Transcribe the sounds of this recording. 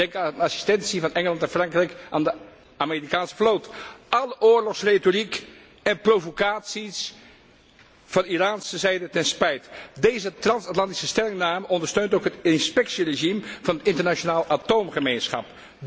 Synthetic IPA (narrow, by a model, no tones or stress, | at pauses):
d̥ɛŋkanasi̥stɛnsivɑnɛŋəlˠɑntanfrɑŋkrɛjkʔaːndə | aːmeːrikaːnsə̥flowtʔɑləʔʊːɹlɔχsretorik | ɛnprowvokaːtsis | v̥ɑniraːnsəzɛjdətɛnspɛjtdejzətrɑnsatlɑnti̥səstɛlɪŋnaːməʔɔndəɹstøɥntowkɦətɪnspɛksireʒimv̥ɑnətɪntəɹnat͡ʃonaːlˠatowmχəmejnsχɑ̰p